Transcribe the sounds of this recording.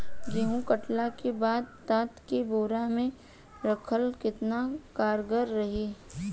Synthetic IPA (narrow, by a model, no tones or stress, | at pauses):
ɡeɦũkəʈlakebaːd̪̚t̪aːt̪kiboːɾamẽ | ɾɐkʰəlkɪt̪nakaːɾɡəɾːɐɦiː